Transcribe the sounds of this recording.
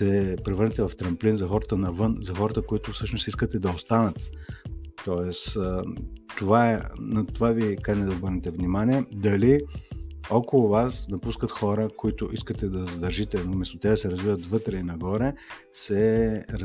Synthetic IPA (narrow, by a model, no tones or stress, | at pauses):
sɛpɾɛvəɾnɛt̪ɛvɐft̪ɾɐmplinzɐxɔɾət̪ənɐvɤnzɐxɔɾət̪əkoit̪ʊfsɤʃnʊsiskət̪ɛd̪ɐost̪anət̪ | t̪ɔɛs | t̪ovaɛnɐt̪ovavikaɾnɛd̪ɐobɤɾnɛt̪ɛvnimaniɛd̪ɐli | ɔkolˠʊvasnɐpuskət̪xɔɾəkoit̪ʊʔiskət̪ɛd̪ɐzɐd̪ɐɾʒit̪ɛnomɛst̪oʊt̪ɛd̪ɐsɛɾɐzvivət̪vɤt̪ɾɛinɐɡɔɾɛ | sɛɾ